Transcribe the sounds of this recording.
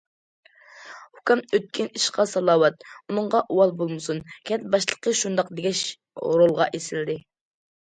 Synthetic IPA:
ukʲɛmøt̪̚kʲʰiniʃqɑsɑlˠɑːwɑt̪̚unɨɴʁɑʔuwɑlˠbolˠmɨsunkʲʰɛt̪̚bɑʃlˠə̥qʰəʃund̪ɑqd̪eɡʲɛʃ | ɾolˠʁɑʔesɪld̪ɪ

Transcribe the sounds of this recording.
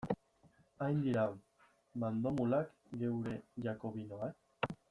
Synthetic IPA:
ajnd̪iɾa | mand̪o̞mulak | ɡe̞wɾe̞ʝako̞βinoa

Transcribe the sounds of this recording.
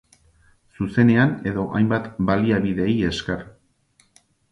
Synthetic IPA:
suse̞ne̞ane̞ðo̞ʔajmbat̪baliaβiðe̞je̞skeɾ

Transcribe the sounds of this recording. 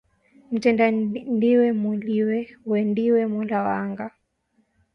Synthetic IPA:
m̩tɛndandiwɛmuliwɛwɛndiwɛmulawaŋɡa

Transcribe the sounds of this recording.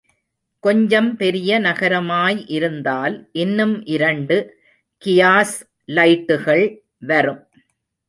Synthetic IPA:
kɔɲd͡ʒɐmpɛɾɪjɐnɐɣɐɾɐmaːjʔɪɾɯnd̪aːlʔɪnːɯmʔɪɾɐɳɖɯ | kɪjaːs | lɐɪʈːɯɣɐɭ | ʋɐɾɯm

